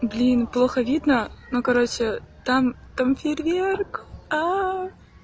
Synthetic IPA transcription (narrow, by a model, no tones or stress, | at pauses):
blʲinplˠoxəvʲid̪nənokɐɾot͡ɕɪt̪am | t̪amfʲɪrʲvʲerka